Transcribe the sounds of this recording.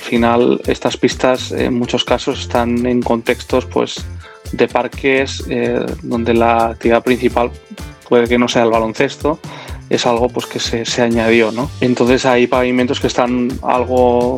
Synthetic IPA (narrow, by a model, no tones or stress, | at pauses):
lfinale̞̰st̪aspist̪asḛnmut͡ʃo̞skaso̞sest̪ane̞ŋko̞nt̪e̞kst̪o̞spwḛz | d̪e̞paɾke̞zḛðo̞nd̪e̞laːk̚t̪iβiðapɾin̟θipalpwe̞ðe̞ke̞no̞se̞alβalõ̞nθe̞st̪o̞e̞̰salɣ̞o̞pwe̞ske̞sese̞aɲaðjo̞no̞e̞nt̪o̞nθe̞sajpaβimẽnt̪okest̪ana̰lɣ̞o